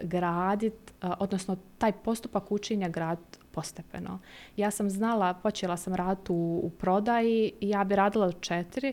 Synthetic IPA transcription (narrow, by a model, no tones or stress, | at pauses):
ɡɾaːd̪it̪ʔo̞d̪nosnot̪aːjpo̞st̪upakut͡ʃeɲaɡɾaːd̪dt̪po̞st̪epḛnʔojaːsamznalapo̞t͡ɕelasamɾaːd̪it̪uːpɾo̞d̪ajiijaːbiɾaːd̪ilat͡ʃet̪iɾi